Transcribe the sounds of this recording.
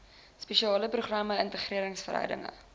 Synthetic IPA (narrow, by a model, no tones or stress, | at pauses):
spɛʃiɑːləpruχrɐməəntəχriəɾəŋsfərɾɦœ̰ɥdə̰ŋə̰